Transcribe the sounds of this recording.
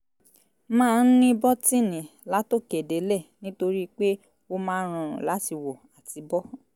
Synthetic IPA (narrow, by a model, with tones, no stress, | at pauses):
mãː˦˧n̩˦nĩ˦bɔ˦tĩ˦˨nĩ˨la˨˦to˦˨ke˨de˨˦lɛ˦˨nĩ˦to˧ɾi˦k͡pe˦ | o˦mãː˦ɾ̃ũ˧˨ɾ̃ṵ̃˨la˨˦ti˧wɔ˨a˨ti˨bɔ˦